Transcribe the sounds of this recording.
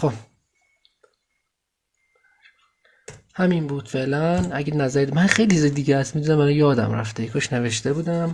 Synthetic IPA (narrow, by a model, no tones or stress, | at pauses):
xob | hæminbuːd̪̥feʔlænʔæɟenæzæɾimænxejlit͡ʃized̪iːɟeæst̪mid̪unæmælɒjɒːd̪æ̰mɾæ̰ft̪ekʰoʃne̞ve̞ʃt̪ebuːd̪æm